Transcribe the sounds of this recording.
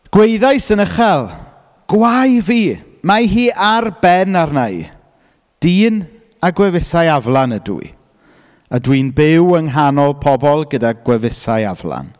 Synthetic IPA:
ɡ̥wejðajsənəχɛlˠ | ɡ̥wajviː | maɦiːʔarbɛnarnaj | d̥iːn | aɡwɛvɪsajavlˠanədṵḭ | adwiːnbɪwəŋɦanɔlˠpʰɔbɔlˠɡədaɡwɛvɪsajavla̰n

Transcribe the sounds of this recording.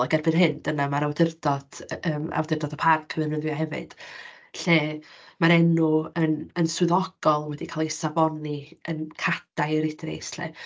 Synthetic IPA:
aɡɛrbɨnɦɨnd̥ənamaɾawdɪrd̥ɔd̥əːma̰wdɪrdɔdəpʰarkʰəvɨrnəðjɔɦɛvɨ̰d̥ | ɬemaɾɛnuənənswɨðɔɡ̥ɔlˠwɛdikʰalˠesabɔniənkʰad̥ajɾɪdrḛjsɬḛ

